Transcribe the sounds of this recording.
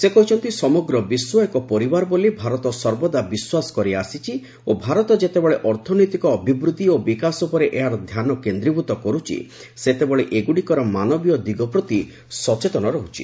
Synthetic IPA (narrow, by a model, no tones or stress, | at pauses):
sekɔɦut͡ʃʰɔnt̪isɔmɔɡɾɔbiswɔekɔpɔɾibaɾɔbolibʱaɾɔt̪ɔsɔɾbɔd̪abiswasɔ̥kɔɾiasit͡ʃʰi | obʱaɾɔt̪ɔd͡ʒet̪ebɔɭeʔɔɾt̪ʰɔnɔjt̪ikɔːbʱibɾut̪iobikasɔpɔɾeʔeɦaɾɔd̪ʱjanɔkend̪ɾibut̪ɔkɔɾut͡ʃʰḭ | set̪ebɔɭeʔeɡuɽikɔɾɔmanɔbijɔd̪iɡɔpɾɔt̪i | sɔt͡ʃet̪ɔnɔɾɔɦut͡ʃʰi̥̰